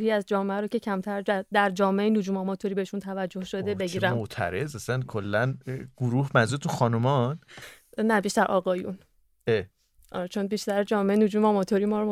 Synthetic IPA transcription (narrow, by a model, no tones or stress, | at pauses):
hiːæzd͡ʒɒːmeæɾoːce̞cʰæmt̪ʰæɾd͡ʒæd̪æɾd͡ʒɒːmeejenod͡ʒuːmɒmɒt̪ʰoɾiːbeheʃunt̪ʰævæd͡ʒːohʃod̪e̞beɡiːɾæmot̪ʰæ̰ɾezæsænkʰolːænɡ̥oɾuːhmænzuɾet̪uxɒːnomɒn | næbiʃt̪æɾʔɒːɣɒːjṵn | e | ʔɒ̰ɾt͡ʃʰonbiʃt̪æɾed͡ʒɒːmeenod͡ʒuːmɒmɒt̪ʰoɾimɒːɾm